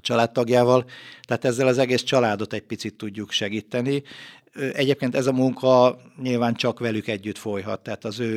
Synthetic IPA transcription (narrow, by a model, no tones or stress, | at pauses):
t͡ʃɒlaːt̪ːɒɡjaːvɒlt̪ɛɦaːt̪ɛzːɛlɒzɛɡeːst͡ʃɒlaːd̪o̞t̪ɛɟ̚pit̪sit̪ːuɟːukʃɛɡiːt̪ːɛni | øʔɛɟeːp̚keːnt̪ɛzɒmuŋkʰɒɲilvaːnt͡ʃɒkʋɛlykɛɟːyt̪fo̞jɦɒ̰t̪ːɛaːt̪ɒzøː